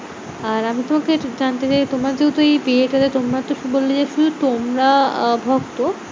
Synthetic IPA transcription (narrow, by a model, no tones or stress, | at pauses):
aɾamit̪omaked͡ʑant̪et͡ɕajt̪omaɾd͡ʑeut̪oejbieʈad̪et̪omɾat̪oʃubolːed͡ʑeʃud̪ut̪omɾabʱɔkt̪o